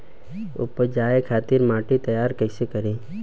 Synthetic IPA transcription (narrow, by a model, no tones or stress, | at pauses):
ʊ̰pːəd͡ʒaːekʰaːt̪ɪɾmaːʈit̪ɐjaːɾkəɪsekɐɾiː